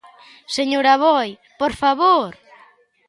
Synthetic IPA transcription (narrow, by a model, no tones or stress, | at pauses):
seɲoɾaβɔj | poɾfaβoɾ